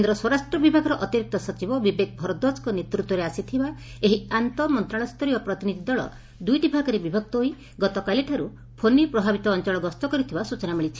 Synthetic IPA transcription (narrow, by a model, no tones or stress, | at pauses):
kend̪ɾɔswɔɾasʈɾɔbibʱaɡɔɾɔʔɔt̪iɾik̚t̪ɔsɔt͡ʃibɔbibek̚bʱɔɾɔd̪ɔskɔnet̪ɾut̪wɔɾeasit̪ʰiba | eɦiant̪ɔmɔnt̪ɾaɭ̃ɔst̪ʰɔɾiɔpɾɔt̪inid̪ʱid̪ɔɭɔ̰ | d̪ujʈibʱaɡɔɾebibʱɔk̚t̪ɔɦoi | ɡɔt̪ɔkaliʈʰaɾu | pʰonipɾɔbʱabit̪ɔːnt͡ʃɔɭɔɡɔst̪ɔkɔɾit̪ʰibasut͡ʃɔnamiɭit͡ʃʰi̥